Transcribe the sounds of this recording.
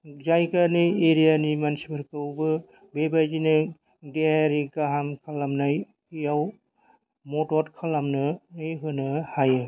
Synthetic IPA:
zajkanɯjeɾijanimansibɯɾkɯwbɯ | bebad͡ʒinɯ | deɦaɾikaɦamkʰalamnaj | kijaw | mɔtɔtkʰalamnɯnɯjɦɯnɯhajɯ

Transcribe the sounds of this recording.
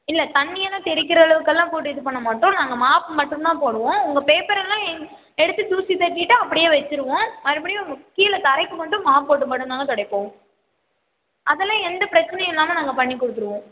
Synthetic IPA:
ɪlːɐt̪ɐɳːɪjɐlãːt̪ɛɾɪk̬ːɪɾɐːɭɐʋɯkːɐlːãːpoːʈːɯðɯpːɐɳːɐmaːʈːʊ̃naːŋɡɐmaːpmɐʈːɯ̃nt̪ãːpoːɽɯʋõːʊŋɡɐpeːpɐɾɛlːãːɛŋ | ɛɽɯt̪ːɯt̪uːsit̪ɐɾkːɪʈːɯɐp̬ːɐɽɪjeːʋɐt͡ʃːɯɾɯʋõːmɐɾɪpɐɽɪjmʊkːijɐlɐt̪ɐɾɐɪkːɯmɐʈːɯ̃maːp̚poːʈ̬ːɯmɐʈːɯnd̪aːŋɡɐt̪ɔɽɐɪkːõː | ʔɐðɛlːãːɛnd̪ɐpɪɾɐt͡ʃːɪnɐj̃lːaːmɐnaːŋɡɐpɐɳːikːɔɽɯt̪ːɯɾɯʋõː

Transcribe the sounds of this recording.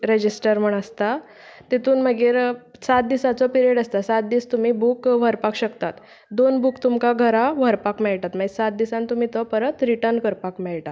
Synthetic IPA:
ɾed͡ʑisʈəɾm̤əɳ̃əst̪a | t̪it̪uːnməɡeːɾsat̪̚d̪isat͡sɔpiɾieɖəst̪asat̪̚d̪iːst̪um̤iːbukʋ̤əɾpakɕəkt̪at̪ | d̪onbukt̪umkaɡʱəɾaʋ̤əɾpakmɛɭʈat̪maɡsat̪̚d̪isãnt̪um̤iːt̪ɔpəɾət̪ɾiʈəɾnkəɾpakmɛɭʈa

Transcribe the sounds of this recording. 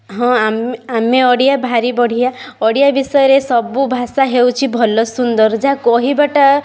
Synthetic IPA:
ɦɔ̃amameɔɽijabʱaɾibɔɽ̤ijaɔɽijabisɔjɔɾesɔbubʱasaɦewt͡ʃʰibʱɔlɔsund̪ɔɾd͡ʒakɔɦibaʈa

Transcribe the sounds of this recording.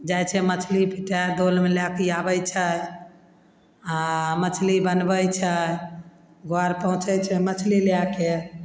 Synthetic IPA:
d͡ʒajt͡ʃʰɛmət͡ʃʰlipʰiʈad̪olmeljakijabəjt͡ʃʰə | amət͡ʃʰlibənbəjt͡ʃʰə | ɡoaɾpəɦũt͡ʃət͡ʃʰɛmət͡ʃʰlilake

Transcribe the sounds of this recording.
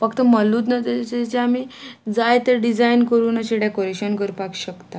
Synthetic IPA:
fəkt̪əməlːuːt̪nət̪eet͡ɕeamiːd͡zajt̪əɾɖid͡zainkəɾuːnaɕiɽjakoɾiɕənkəɾpakɕəkt̪a

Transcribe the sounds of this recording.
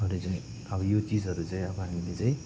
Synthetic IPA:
ʌɾet͡saĩ | ʌbʌjot͡sid͡zɦʌɾut͡saĩʌbʌɦamilet͡saĩ

